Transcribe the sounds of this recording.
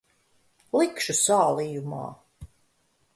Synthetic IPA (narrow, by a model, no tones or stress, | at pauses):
likʃusaːliːjuma̰ː